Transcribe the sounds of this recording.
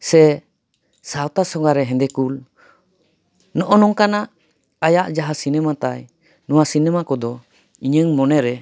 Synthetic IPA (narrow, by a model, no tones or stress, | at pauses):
sɛ | sawt̪asɔɡaɾɛɦɛ̃nd̪ɛkul | nɔʔɔnɔŋkanaʔ | ajaʔd͡ʒaɦasinɛmat̪aj | nɔwasinɛmakɔd̪ɔ | iɲəŋmɔnɛɾɛ